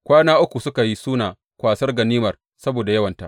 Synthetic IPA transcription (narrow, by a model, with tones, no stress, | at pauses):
kʷaː˦naː˦ʔʊ˦kʷu˨sʊ˦ka˨ji˦suː˦naː˨ | kʷaː˨sɐ˦rɡɐ˨niː˦mɐ˨r | sɐ˦boː˨da˨jɐ˦wɐ˨nta˨ʔ